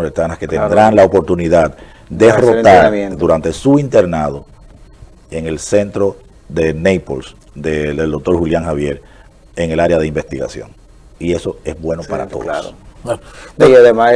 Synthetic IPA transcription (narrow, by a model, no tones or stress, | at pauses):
oɾet̪anasket̪end̪ɾaŋlaopo̞ɾt̪uniðað | d̪erot̪aɾd̪uɾant̪esuint̪e̞ɾnaðo̞ | eŋe̞lse̞nt̪ɾo | ðe̞nejpols | d̪eeld̪ok̚t̪o̞ɾhuljaŋhaβje̞ɾ | eŋe̞laɾeaðeimbe̞st̪iɣa̰sjo̞̰ŋ | ie̞so̞e̞zβwe̞nopaɾa̰t̪o̰ðo̰s | eiaðema